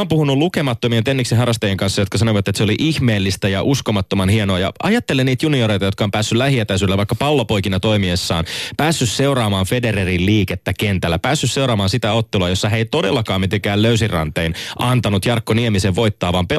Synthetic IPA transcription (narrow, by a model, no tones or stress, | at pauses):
oːmpuhunulukemɑt̪ːomient̪enːiksiɦɑrɑst̪ɑjeŋkɑnsːɑjot̪̚kɑsɑnoiʋɑt̪ːˑet̪seoliʔiçmeːlːist̪æjɑʔuskomɑt̪ːomɑnhienoɑjɑ̰ɑ̰jɑt̪ːe̞leniːt̪junioɾejt̪ɑjokɑompæːsːylæhiet̪æs̬ylːæʋɑikːɑpɑlːopojkinɑt̪o̞imiesːɑ̰ːnpæːsːysseuɾɑːmɑːnfedeɾerilliːket̪ːækent̪ælːæpæːsːysse̞wɾɑːmɑːnsit̪æot̪ːeluɑjo̞sːɑɦeit̪o̞delːɑkɑːmit̪eŋkæːlløysirɑ̰nt̪einʔɑnt̪ɑnut̪jɑrkːoniemiseʋʋo̞jt̪ːɑːʋɑːmpe